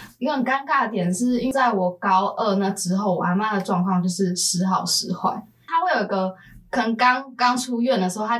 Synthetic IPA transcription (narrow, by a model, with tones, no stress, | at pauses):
i˧ɡə˦hə˨˩nka˥nka˥˩d̪ə˩t̪jɛ˨˩nʂɻ̩˥˩i˥n˥˧t͡sa˥˩ɪwɔ˨˩kɑ˦˥ʊʔə˥˧na˥˩ʈ͡ʂɻ̩˥xo˥˩ʊwa̰˧˥nma˥˩nd̪ə˩ʈ͡ʂwɑ˥˧ŋkʰwɑ˥˧ŋt͡ɕjo˥˧ʊʂɻ̩˥˩ʂɻ̩˧˥xɑ˨˩ʊʂɻ̩˧˥xwa̰˥˩ɪ | t̪ʰa˥xwe˥˩jo˨˩i˦ɡə˧ | kʰə˨˩n˨˩kɑ˥ŋkɑ˥ŋʈ͡ʂʰu˥ɥɛ˥˩nd̪ə˩ʂɻ̩˧xo˥˧ʊtʰa˥